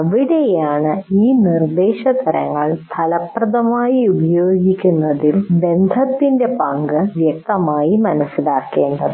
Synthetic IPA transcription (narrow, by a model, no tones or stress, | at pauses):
ʋiɽejaːɳɨiːnird̪eːɕɐt̪ɐɾɐ̰ŋːɐɭst̪ʰɐlɐprɐðɐmaːjiubɐjoːɡikʲːunːɐðilbe̞nd̪ʱɐt̪ːinde̞pɐŋɡɨʋjɐk̚t̪ɐmaːjimɐnɐsːilaːkːeːɳɖɐðɨ